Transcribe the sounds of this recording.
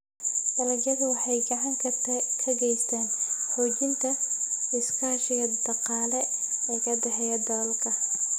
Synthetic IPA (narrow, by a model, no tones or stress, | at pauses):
d̪̥ɐlɐɡjɐðʊwɑħɑjɡɐʕaŋkʰɐkʰɐɡɛjst̪ʰɛːnħɔːd͡ʒɪnt̪ʰɐɪskʰaʃɛjɐd̪ɑqɑːlɛkɐd̪ɐħɛjɐd̪ɐːlkʰɐ